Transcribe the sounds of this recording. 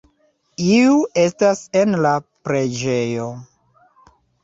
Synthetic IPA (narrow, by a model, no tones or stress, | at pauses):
iue̞stase̞nlapɾe̞d͡ʒe̞jo̞